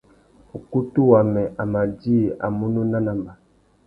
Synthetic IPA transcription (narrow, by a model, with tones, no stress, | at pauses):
u˨ku˦tu˦wa˨mɛ˨ʔa˨ma˨di˦˨a̰˨mu˦nu˦na˦na˨mba˨